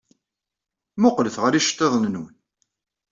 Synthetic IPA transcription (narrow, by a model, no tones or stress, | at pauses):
mʊqləθʁəɾiʃt̪ˤːeðˤnnwən